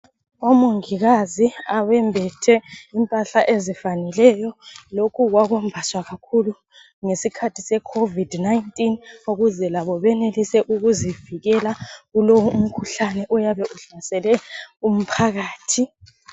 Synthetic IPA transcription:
omuŋiɣaziaβɛmbʱɛtʰɛimpʼaɬaʔezifanɛlɛjɔlokʰuɣwaɣɔmbʱaswaɣakʰulu | ŋesikʰatʰisɛkʰovidnajintʼinuɣuzɛlaβɔβɛnelisɛʔuɣuziviɣɛlaɣulowuum̩kʰuɬanɛʔɔjaβɛʔuɬasɛlɛum̩pʰaɣaːtʰi

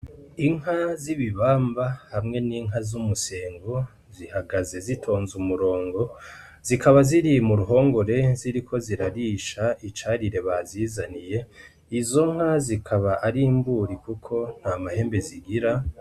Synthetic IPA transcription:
iŋɦaziβiβaːmbahamŋe̞niːŋɦazumuse̞ːŋɡo | zihaɡaze̞zitʰo̞ːnzumuɾo̞ːŋɡo̞ | z̥ikaβaziɾijmuɾuɦo̞ːŋɡo̞ɾe̞ziɾikʰo̞ziɾaɾiʃait͡ʃaɾiɾe̞βaziːzanije̞ | izo̞ŋ̥hazikʰaβaʔaɾimbuːɾikukʰo̞n̥hamahe̞ːmbeziɡiɾa

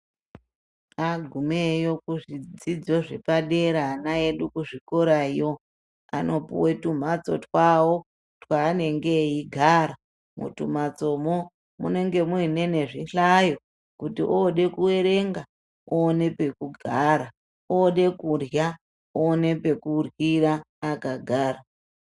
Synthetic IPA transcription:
aɡʱumejo̞kuʐid͡zid͡zo̞ʐepaɗeɾaːnaeɗukuʐiko̞ɾaijo | a̰nopṵwe̞tum̤at͡so̞̰twawo | twaːne̞ŋɡe̞iɡʱaɾa | mṵtum̤at͡so̞mo | mṵne̞ŋɡe̞muine̞ne̞ʐiɬajo̞ | kutḭʔoɗe̞kuwe̞ɾe̞ŋɡa | oːne̞pe̞kuɡʱaɾa | oɗe̞kurja | one̞pe̞kurwiraːkaɡʱaːra

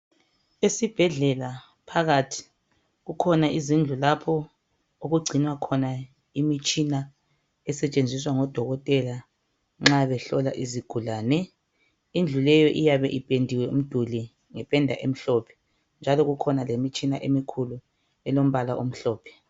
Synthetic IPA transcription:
esib̥ʱɛɮɛla | pʰaɣatʰi̥ | ɣukʰɔnaʔizind͡ɮʱulapʰɔ | oɣuɡ͡ǀʱinwakʰɔna | imit͡ʃʼina | ɛsɛt͡ʃʼend͡zʱis̬waŋɔd̥ʱɔɣɔtʼɛla | ŋ͡ǁaβɛɬɔla̰ʔiziɡ̥ʱulaːnɛ | ind͡ɮʱulɛjɔʔijaβɛʔipʼendʱiwɛum̩d̥ʱuli | ŋɛpʼɛndʱa̰ʔem̩ɬɔːpʰɛ̥ | nd͡ʒʱalɔɣukʰɔnalemit͡ʃʼinaʔemikʰulu | ɛlom̩βalaʔom̩ɬɔːpʰɛ̥

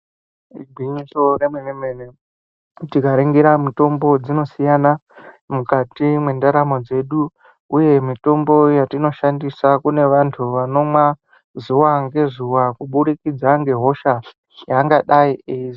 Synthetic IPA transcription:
iɡʱiɲisoremwenemene | tikaɾeŋɡeɾamito̞mbo̞d͡zino̞sijana | mukatimwe̞ndaɾamo̞d͡ze̞ɗu | uje̞mito̞mbo̞jatino̞ʃandisakune̞ʋantʰuʋano̞mwa | zuwaŋɡe̞zuwakuɓuɾikid͡zaŋɡe̞ɦo̞ʃa | jaŋɡaɗaiʔeiz

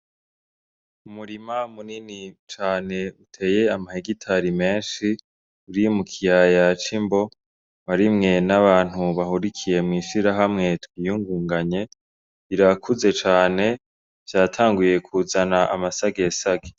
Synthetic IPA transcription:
umuɾimamuninit͡ʃaːne̞utʰe̞ːje̞amaheɡitʰaɾime̞ːnʃi | uɾimukʰijajat͡ʃimbo̞ | βaɾimŋe̞naβaːn̥huβaɦuɾikʰije̞mŋiːʃiɾaɦamŋe̞twiːjuŋɡuːŋɡaɲe̞ | iɾakʰuze̞t͡ʃaːne̞ | v̥jaːtʰaːŋɡuje̞kʰuzanaʔamasaɡe̞saɡe

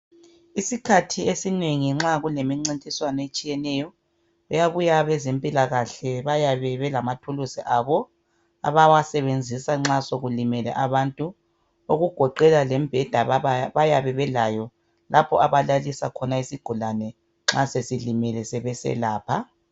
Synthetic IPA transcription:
isikʰatʰiesineŋiŋ͡ǁaɣulemiŋ͡ǀintʼiswanɔet͡ʃʼijɛnɛjɔ | ɛjaβujaβɛzempʼilaɣaɬɛβajaβɛβɛlamatʰulusiʔaːβɔ | a̰βawasɛβend͡zʱisaŋ͡ǁasoɣulimɛlɛ̰ʔaβantʼu | oɣuɡ̥ʱɔǃɛlalemb̥ʱɛd̥ʱaβajaβɛβɛlajɔ | lʔapʰɔ̰ʔaβalalisa̰kʰɔnaisiɡ̥ʱulanɛ | ŋ͡ǁasesilimɛlɛsɛβɛsɛ̰laːpʰa

